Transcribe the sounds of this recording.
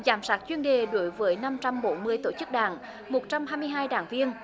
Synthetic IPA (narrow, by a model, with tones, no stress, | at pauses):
zaː˨˩˦msaː˦˥t̚t͡ɕwi˧ənɗe˨˩ɗo˨˦jvəː˨˦jna˧mt͡ɕa˧mɓo˨˦nmɨ˧əjt̪o˧˩t͡ɕɨ˦˥k̚ɗa̰ː˧˩ŋ | mo˨˩t̚t͡ɕa˧mɦaː˧jmɨ˧əjɦaː˧jɗaː˧˩ŋvi˧ən